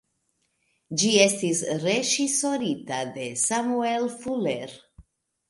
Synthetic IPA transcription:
d͡ʒie̞stisɾe̞ʒiso̞ɾitade̞samue̞lfuleɾ

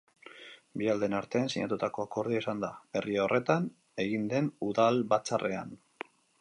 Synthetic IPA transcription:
biald̪e̞naɾt̪e̞ansiɲat̪ut̪ako̞ako̞ɾð̞iaisand̪abe̞riaorʔe̞t̪an | e̞ɣind̪e̞nuðalβat͡sarʔe̞a̰n

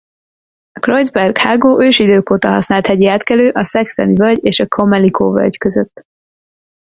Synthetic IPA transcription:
ɒkrojzbɛrɡhaːɡoːʔøːʃid̪øːkoːt̪ɒɦɒsnaːlt̪hɛɟiaːt̪kɛløːʔɒsɛksɛ̰nivølɟeːʃɒkʰomɛlikʰoːvø̰lɟkøzøt̪ː

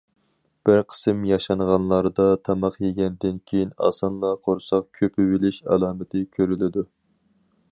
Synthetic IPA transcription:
b̥ɪɾqʰə̥sɨmjɑʃɑɴʁɑnlˠɑɾd̪ɑt̪ʰɑmɑqjeɡʲɛnd̪ɪnkʲʰejinɑ̰sɑnlˠɑqʰoɾsɑq̚kʲʰøpʰɪbɪlɪʃɑ̰lˠɑːmɪt̪ʰɪkʲʰøɾylɪd̪u

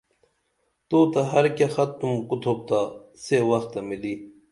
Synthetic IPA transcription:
t̪oːt̪ɐɦɐɾkaxɐt̪ːumkut̪ʰoːp̚t̪aː | sewɐxt̪ːɐmiliː

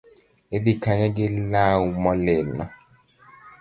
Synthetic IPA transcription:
ebikaɲaɡɪlamɔlenɔ̰

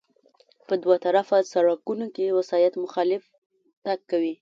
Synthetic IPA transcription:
pəd̪wat̪aɾafasaɽɑkunokewasɑjat̪mʊxɑlɪf | t̪akːawi

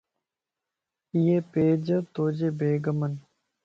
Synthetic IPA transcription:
ijepeːd͡ʑɐt̪oːd͡ʑebeːɡɐmɐn

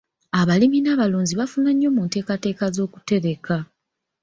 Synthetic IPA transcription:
aβaliminaːβaloːɲziβafunaɲːo̞muːnte̞ːkate̞ːkazo̞ːku̥te̞ɾe̞ka

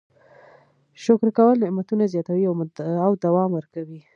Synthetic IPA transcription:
ʃʊkɾkawəlnɪʔmat̪unazjɑt̪awiaawd̪awɑmwəɾkawi

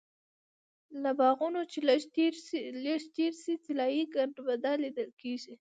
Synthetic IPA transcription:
labɑɣunot͡ʃeʃɾleʃt̪eɾsit͡sɪlɑjiɡaɳʈbad̪ɑlid̪əlkeʒi

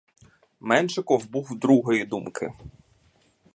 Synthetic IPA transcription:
mɛnʃɪkɔwbuwd̪ɾuɦɔjid̪umkʰɪ̰

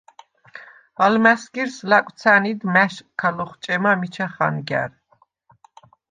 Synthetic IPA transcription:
almæsɡiɾslakʷʼt̪t͡s̪ʰænid̪mæʃkʰalɔχt͡ʃʼɛmamit͡ʃʰaχa̰nɡæ̰ɾ

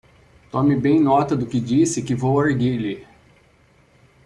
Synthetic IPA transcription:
t̪õmɪbẽj̃nɔt̪ɐd̪ʊkɪd͡ʒisɪkɪvowaɾɡili

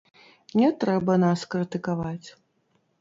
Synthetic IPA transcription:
nʲɛt̪ɾɛbɐnaskɾɨt̪ɨkavat͡sʲ

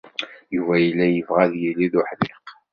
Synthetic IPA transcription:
juvæjəlːæjəvʁæðjilːiðʊħlɪq

